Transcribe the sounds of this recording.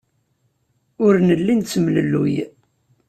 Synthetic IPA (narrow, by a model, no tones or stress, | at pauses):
ʊɾnəlːint͡sːəmləlːṵj